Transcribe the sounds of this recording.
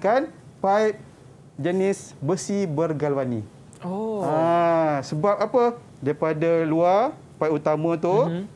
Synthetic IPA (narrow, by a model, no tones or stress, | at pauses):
kan | paip̚ | d͡ʒənɪsbəsibərɡalwani | oasəbap̚apə | daɾipadaluar | paiʔut̪amãt̪u